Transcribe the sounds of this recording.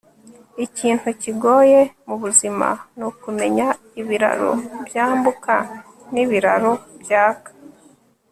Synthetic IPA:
iciːntuciɡo̞ːje̞muβuzima̰nokume̞ɲa | iβiɾa̰ɾo̰bjaːmbuka | niβiɾa̰ɾobjaːkḁ

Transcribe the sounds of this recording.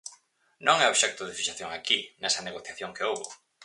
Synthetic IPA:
nõŋɛoβʃɛk̚t̪ʊðɪfiʃaθjoŋakinɛsɐneɣoθjaθjoŋkeowβʊ

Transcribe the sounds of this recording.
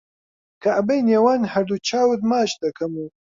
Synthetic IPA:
kaʔbɐjneːwaːnhɐɾd̪ut͡ʃʰaːwɨd̪maːʃd̪ɐkʰɐmu

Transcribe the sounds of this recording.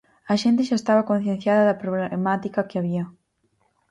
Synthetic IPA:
ɐʃent̪̬eʃaest̪aβɐkõn̟θjẽn̟θjaðɐðɐpɾoβlemat̪ikakeaβ̞iɐ

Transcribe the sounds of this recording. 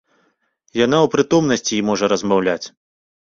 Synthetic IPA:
janawpɾɨt̪ɔmnɐsʲt͡sʲiːmɔʐɐɾɐzmawlʲat͡sʲ

